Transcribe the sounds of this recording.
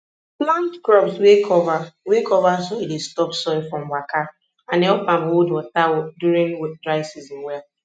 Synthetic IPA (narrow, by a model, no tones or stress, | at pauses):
plãntkɹɔbswekɔvawekɔvasoedestɔpsɔɪfɹɔ̃mwaka | ãnɛɔpãmodɔtawɔduɾĩŋdɹaɪsizmwɛa